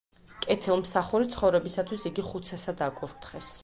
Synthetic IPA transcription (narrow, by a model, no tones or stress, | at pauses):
kʼɛt̪ʰilˠmsaχuɾit̪sʰχɔvɾɛbisat̪ʰwisiɡiχut̪sʰɛsad̪akʼuɾt̪ʰχɛs